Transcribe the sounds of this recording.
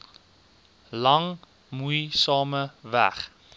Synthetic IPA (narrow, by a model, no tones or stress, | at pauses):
lɐŋ | mujsɑːməvæ̰χ